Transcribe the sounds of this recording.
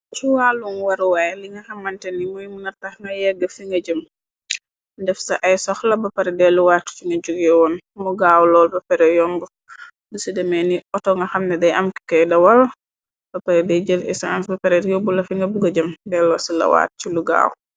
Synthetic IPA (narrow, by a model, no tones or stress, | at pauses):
t͡ʃuwaːluŋwɐɾwajliŋɡɐxɐmːɐntɛnimɔjmunɐɾtɐxŋɡɐjɛɡːəfiŋɡɐɟəm | dɛfsɐʔɐjsɔxlɐbɐpɐɾɛdɛluwaːtːt͡ʃiŋɡɐɟuɡɛwɔnmuɡaːwlɔːlbɐpɛɾɛjɔmbu | dusidɛmɛniʔɔtɔŋɡɐxɐmnɐdɛjʔɐmki̥kɐjdɐwɐl | b̥ɐpɐɾɛdɛjɟəlɛsansbɐpɛɾɛɾjɔbulɐfiŋɡɐbuɡɐɟəmdɛlɔsilɐ̰wa̰ːt̚t͡ʃiluɡa̰ːw